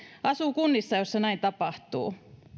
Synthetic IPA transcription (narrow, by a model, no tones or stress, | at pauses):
ɑsuːkunːisːɑjosːɑnæint̪ɑpɑht̪ṵː